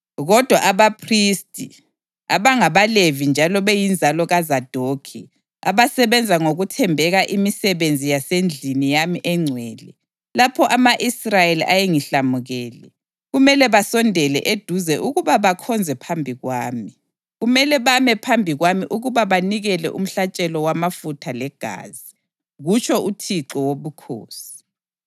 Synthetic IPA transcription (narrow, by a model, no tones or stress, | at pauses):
ɣɔd̥ʱwaʔaβapʰristʼi | a̰βaŋaβalevind͡ʒʱalɔβejind͡zʱalɔɣazad̥ʱoːkʰi | a̰βasɛβɛnd͡zʱaŋoɣutʰɛmbʱɛɣaʔimisɛβend͡zʱijasend͡ɮʱinijamiʔɛŋ͡ǀʱwɛːlɛ | lapʰɔʔamaʔisrajeliʔajeŋiɬamuɣɛːlɛ | ɣumɛlɛβasɔndʱɛlɛ̰ʔed̥ʱuzɛʔuɣuβaβakʰɔnd͡zʱɛpʰambʱiɣwaːmi | ɣumɛlɛβamɛpʰambʱiɣwamiʔuɣuβaβaniɣɛlɛ̰ʔum̩ɬat͡ʃʼɛlɔwamafutʰalɛɡ̥ʱa̰ːzi | ɣut͡ʃʰɔutʰiǁɔwoβukʰo̰ːsi̥